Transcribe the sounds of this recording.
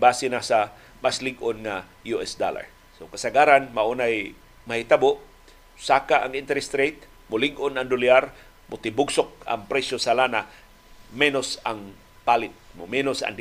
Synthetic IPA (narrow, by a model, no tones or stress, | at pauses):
baːsɪnasa | maslɪɡʔonŋa | juʔɛsd̪a̰la̰ɹ | sokasaɡaːɾanmaʔunaj | mahɪt̪aboʔ | saːkaʔa̰ŋɪnt̪ɛɾɛst̪ɾejt̪̚ | mʊlɪɡʔonaŋd̪ʊljaɾ | mʊt̪ɪbʊɡsok̚a̰ŋpɾɛsosalaːna | mɛnosaŋ | palɪt̪̚mʊmɛnosa̰ŋd̪